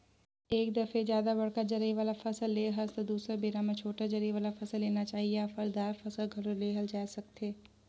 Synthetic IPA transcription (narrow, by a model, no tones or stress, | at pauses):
eːkd̪ɐfʰezjaːd̪abɐɽkad͡ʒɐɾiʋaːlafɐsəlːeːɦɐst̪d̪uːsɾabeːɾamẽt͡ʃʰoːʈad͡ʒɐɾiʋaːlafɐsəlːeːnat͡ʃaːɦieafɐɾd̪aːɾfɐsəlɡʱɐɾoleːɦɐld͡ʒaːsɐk̚t̪eː